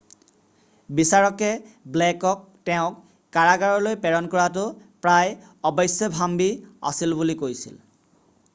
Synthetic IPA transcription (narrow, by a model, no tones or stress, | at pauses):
bisaɹɔkɛblɛkɔk̚ | tɛʊ̃kː | aɹaɡaɹɔlojpɛɹɔnkɔɹatʊpɹaj | ɔbɔjsjɔbʱambia̰silbulikojsḭl